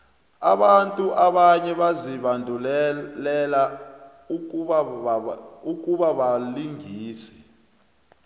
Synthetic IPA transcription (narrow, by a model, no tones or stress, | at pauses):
aɓantʼuʔaɓaɲɛɓaziɓandʱullɛla | uk̬ʼuɓaɓaliŋiːsɛ̥